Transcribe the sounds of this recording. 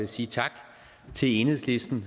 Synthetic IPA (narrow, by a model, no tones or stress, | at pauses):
esiːt͡sʰɑ̈ɡ̥ | t͡sʰe̝le̝nhðˠsle̝sd̥n̩